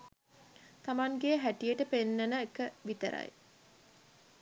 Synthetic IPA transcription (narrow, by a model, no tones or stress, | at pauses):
t̪amaŋɡejɦæʈijəʈəpenːenəekəʋit̪ə̰ɾa̰j